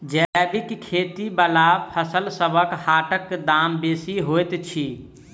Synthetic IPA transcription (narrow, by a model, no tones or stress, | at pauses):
d͡ʒɛbikkʰːet̪ibalapʰəsəlsəbʱəkhaʈəkːd̪ambesiɦojt̪t͡ʃʰi